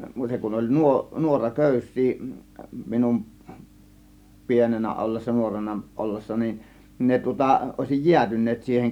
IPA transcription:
muːteŋ kun olʲ nuo nuorɑ køˑysˑiː minum pienenæ ʔolːesːɑ nuorenɑ ʔolːesːɑ nin ne tŭŏtɑ ʔoˑe̝sij jiætynˑeːt siːheŋ

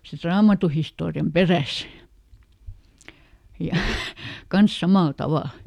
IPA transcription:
sit rɑːmɑtuhistoːriɑm peræs jɑ kɑns sɑmɑˑl tɑʋɑˑl

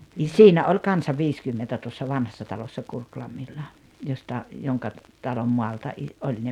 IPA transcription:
ni siːnæ olʲ kɑnsɑ ʋiːskymːentæ tuosːɑ ʋɑnhɑsːɑ tɑlosːɑ kurklɑmːilːɑ jostɑ joŋkɑ tɑlom mɔɑltɑ ʔi olʲ ne

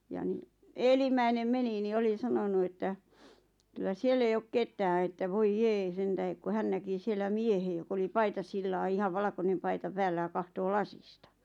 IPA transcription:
jɑ ni eːlimˑæinem meni ni oli sɑnonu etːæ kylˑæ sielː ei ok ketˑæː etːæ ʋoij jeː sentæhek ku hæn næki sielːæ miehe jok oli pɑitɑsilːɑː ihɑʋ ʋɑlɑ̆konem pɑitɑ pæːlːæ j̆ɑ kɑhtoː lɑsistɑ

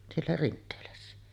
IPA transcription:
sielːæ rintˑeːlæsːæ

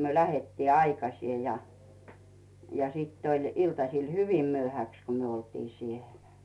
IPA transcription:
myø læhetːiː ɑikɑsie jɑ jɑ siˑtː olʲ iltɑsil hyʋim myøhæks ko myø oltiː sielæ̥

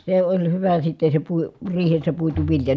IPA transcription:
se olʲ hyʋæ sitːe se pui riːhesːæ puitu ʋiljɑ

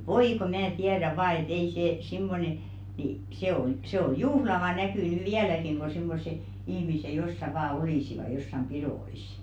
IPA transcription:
ʋoi ko mæː tiædæ ʋɑː et ei seː simːone ni se on sĕ o juhlɑʋɑ nækyˑ nyˑ ʋiælækiŋ ko simːose ihmise josːɑ ʋɑː oliˑsiʋɑ josːɑm piɾoˑisˑ

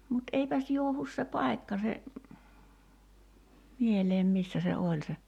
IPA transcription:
mut eipæs juohus se pɑi̞kːɑ se mieleːm misːæ se olʲ se

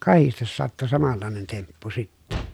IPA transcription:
kɑhistes sɑtːu sɑmɑlːɑˑenen tempːu sitːɛ

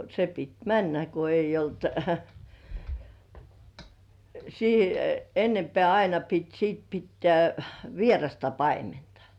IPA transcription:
se pit mænːæ ko eijˑ olt siˑ enːempĕæˑ ɑinɑ pit siˑt pitːĕæˑ ʋierɑstɑ pɑimentɑ̥

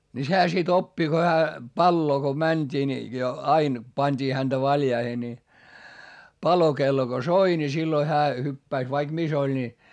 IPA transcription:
ni sehæ sit opːi ko hæː pɑlːoː ko mænʲd̥iː ni jo ɑin pɑnʲd̥iː hænd̥æ ʋɑljɑihe ni pɑlokelːo ko soi ni silːoi hæː hypːæis ʋɑik mis olʲ ni

